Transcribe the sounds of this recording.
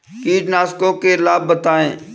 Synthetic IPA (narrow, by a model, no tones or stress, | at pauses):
kiːʈnaːskõkelaːb̚ːət̪aːẽː